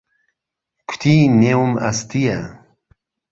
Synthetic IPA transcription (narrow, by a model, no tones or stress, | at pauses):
kʰt̪ʰineuma̰st̪ija